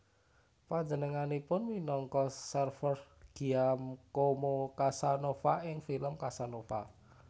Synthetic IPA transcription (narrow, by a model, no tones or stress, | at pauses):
paɲd͡ʒənəŋanipʊnminɔŋkɔsərfərɡ̥i̤amkomokasanofaʔɪŋfiləmkasanofa̰